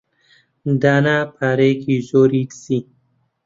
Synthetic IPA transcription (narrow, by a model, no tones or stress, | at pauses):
d̪anapʰaɾekizoɾitsi